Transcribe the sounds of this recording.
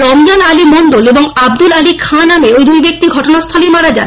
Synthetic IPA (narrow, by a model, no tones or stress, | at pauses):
ɾɔmd͡ʑonalimoɳɖoleboŋab̚d̪ulalikʰanameojd̪ujbek̚t̪iɡʱɔʈonast̪ʰalejmaɾad͡ʑa̰